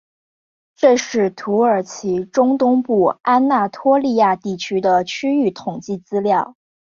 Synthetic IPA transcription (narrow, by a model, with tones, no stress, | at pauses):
ʈ͡ʂɤ˥˧ʂɻ̩˥˩t̪ʰu˧˥ə˞˨˩t͡ɕʰi˧˥ʈ͡ʂʊ˥ŋt̪ʊ˥ŋpu˥˩a˥nna˥˩t̪ʰwɔ˥li˥˧ja˥˧t̪i˥˩t͡ɕʰy˥d̪ə˨t͡ɕʰy˥y˥˩t̪ʰʊ˨˩ŋt͡ɕi˥˩t͡sɹ̩˥ljɑ˥˩ʊ